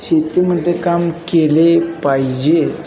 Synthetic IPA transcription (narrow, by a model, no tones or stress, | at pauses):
ɕet̪im̤əɳt̪ekamkelepaid͡ʑe